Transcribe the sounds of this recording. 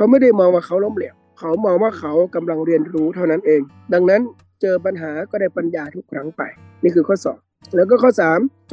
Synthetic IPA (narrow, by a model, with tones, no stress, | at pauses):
kʰa˨˦˥wma˥˩jda˥˩jmɔː˧ŋwaː˧˩kʰa˧˥˦wloː˧˥˨mli˧˩əw̚ | kʰa˨˦wmɔː˧ŋwaː˧˥˩kʰa˨˦wka˧mla˧ŋɾi˧ənɾuː˦˥t̪ʰa˧˩wna˦˥nʔeː˨˧ŋ | da˧ŋna˦˥˨n | t͡ɕɤː˧p̬a˧nɦaː˩˦kɔː˧˩daː˥˩jpa˧njaː˧t̪ʰu˦˥kʰːɾa˦˥ŋpa̰˨˩jniː˥˩kʰɯː˧kʰɔː˥˩sɔ̰ː˩˦ŋ | lɛː˦˥wk̬ɔː˧˥˩kʰɔː˥˩saː˩˦m